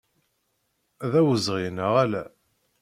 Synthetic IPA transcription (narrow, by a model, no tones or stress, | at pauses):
ðæwəzʁinəʁælæ